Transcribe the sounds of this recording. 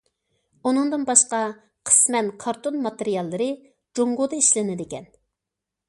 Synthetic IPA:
unɨŋd̪ɨnbɑʃqɑ | qʰə̥smɛnkʰɑɾt̪onmɑt̪eɾijɑlˠːɨɾɨ | d͡ʒoɴʁod̪ɨiʃlɪnɪd̪ɪkʲɛn

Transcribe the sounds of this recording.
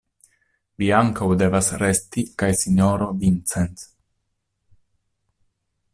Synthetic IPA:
viaŋkawde̞vasɾe̞stikajsiɲoɾovint͡sens

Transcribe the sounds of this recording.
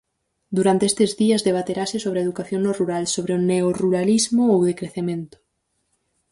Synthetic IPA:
d̪uɾant̪eest̪ezðiɐzðeβ̞at̪eɾasɪsoβɾeaeðukaθjoŋnoruɾalsoβ̞ɾeoneoruɾalizmoowðekɾeθemẽnt̪ʊ̥

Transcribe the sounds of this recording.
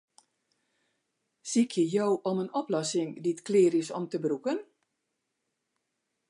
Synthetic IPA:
sikʰjəjowʔɔmənɔplɔsɪŋditklɪːɾɪsɔmtəbrukən

